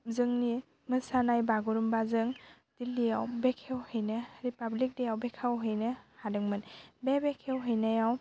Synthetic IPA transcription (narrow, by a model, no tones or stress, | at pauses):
zɯŋni | mɯsanajbaɡuɾumbazɯŋ | d̥ilːijawbekʰewhɯjnɯɾipablik̚dejawbekʰawɦɯjnɯhadɯŋmɯnbebekʰewɦɯjnajaw